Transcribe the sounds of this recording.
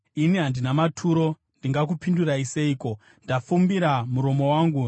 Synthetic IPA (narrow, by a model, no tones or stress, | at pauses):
iniɦandinamatʰuɾo̞ | ndiŋɡak̬upinduɾaise̞iːko̞ | ndafumbiɾamuɾo̞mo̞waːŋɡu